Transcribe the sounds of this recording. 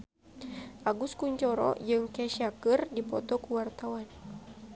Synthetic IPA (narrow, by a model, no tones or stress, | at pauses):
ʔaɡuskuɲt͡ʃɔɾɔ̰d͡ʒɨŋkɛʃiakɨrdipɔt̪ɔkuwart̪awan